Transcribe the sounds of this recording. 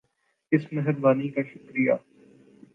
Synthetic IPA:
ɪsmɐɦɪɾbaːnikaʃʊkɾijaː

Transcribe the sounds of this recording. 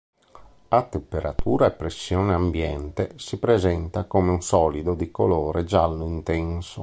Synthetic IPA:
at̪ːempeɾʔat̪ʰuːɾaepːɾesːjɔːneambjɛnt̪esipɾezɛnt̪akoːmeunsɔːlid̪od̪ikoloːɾed͡ʒalnoint̪ɛnso

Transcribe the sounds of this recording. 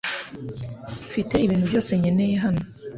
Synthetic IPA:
fite̞iβiːntubjo̞ːse̞ɲe̞ne̞jeɦano

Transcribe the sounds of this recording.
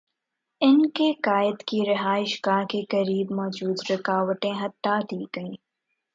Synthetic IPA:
ɪnkekaːɪd̪kiɾɪɦaːɪʃɡaːkekɐɾiːbmɔːd͡ʒuːd̪ɾɐkaːʋəʈ̪ẽːɦɐt̪ːaːd̪iːɡɐiː

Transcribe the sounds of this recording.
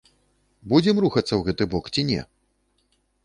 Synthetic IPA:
bud͡zʲɛmruxɐt̪sːɐwɣɛt̪ɨbɔkt͡sʲinʲɛ̰

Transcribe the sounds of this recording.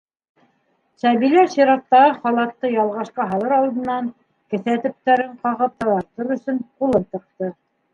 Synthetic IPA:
sæβilæʃiɾɑt̪ːɑʁɤχɑlˠɑt̪ːɤjɑlˠʁɑʃqɑɦɑlˠɤɾɑlˠd̪ɤ̆nːɑŋ | kɘ̆θæt̪ɘ̆p̚t̪æɾɘɴqɑʁɤp̚t̪ɑ̆lˠɑɾt̪oɾɵ̆sɵnqulˠɤnt̪ɤ̆q̚t̪ɤ

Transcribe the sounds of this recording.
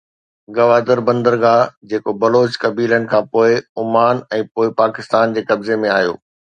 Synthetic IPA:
ɡɐʋaːd̪əɾbɐ̃nd̪əɾɡaːd͡ʑeːkobɐloːt͡ɕkɐbiːlənɪ̆kʰãːpoːɪʊmaːnɛ̃ːpoːɪpaːkɪst̪aːnd͡ʑeːkɐbzemẽaːɦijo̰ː

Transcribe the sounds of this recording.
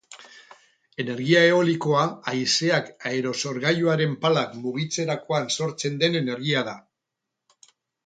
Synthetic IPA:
e̞ne̞ɾɣiae̞o̞liko̞aajse̞akaeɾo̞so̞ɾɣajuaɾe̞mpalakmuɣ̞it͡se̞ɾako̞anso̞ɾt͡se̞nd̪e̞ne̞ne̞ɾɣiaða

